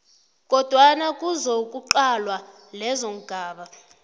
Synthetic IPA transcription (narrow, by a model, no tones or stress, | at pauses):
kʼɔd̥ʱwanakʼuzokʼuǃalwa | lɛzoŋ̩ɡ̥ʱaːɓa